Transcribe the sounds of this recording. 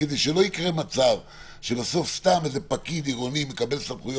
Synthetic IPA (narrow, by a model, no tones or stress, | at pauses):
ed̪ejʃelo̞ikʁe̞mat͡sav | ʃebaso̞fst̪amezepakid̪iʁonimekabe̞lsamχujo